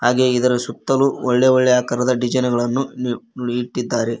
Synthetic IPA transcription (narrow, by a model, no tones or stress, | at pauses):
haːɡe̞id̪ɐɾɐsut̪ːɐluɔɭːeɔɭːɛjaːkɐɾɐd̪ɐɖid͡ʒɐjnɐɡɐɭɐnːunuɽiiʈːid̪ːaːɾe